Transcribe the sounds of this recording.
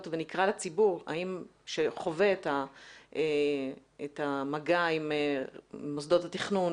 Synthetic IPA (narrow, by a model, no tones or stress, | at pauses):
tvenikʁalat͡sibuʁa̰imʃeχo̞ve̞etae | etamaɡaimemos̬d̪o̞thatiχnun